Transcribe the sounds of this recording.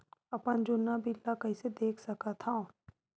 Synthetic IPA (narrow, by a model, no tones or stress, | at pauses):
ɐpənd͡ʒonːabʱilːakɐised̪eːkʰsɐkat̪ʰãː